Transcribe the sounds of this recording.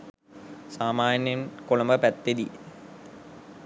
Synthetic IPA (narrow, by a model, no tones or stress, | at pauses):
saːmaːnjɐmkolɐmbəpæt̪ːed̪i